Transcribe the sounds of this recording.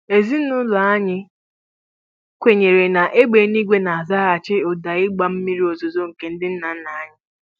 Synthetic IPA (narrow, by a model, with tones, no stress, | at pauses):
e˨zi˦ʊ˦la˨a˦ɲɪ˦ | kʷe˨ɲe˨ɾe˨na˨ʔe˦ɡ͡be˨˦ni˦ɡʷe˦na˨a˨za˦a˨t͡ʃɪ˦o˨da˨ɪ˦ɡ͡ba˨m̩˦mi˦ɾi˦o˨zo˨zo˦ŋ̩˨ke˨n̩˦dɪ˦n̩˦na˨n̩˦na˨a˦ɲɪ˦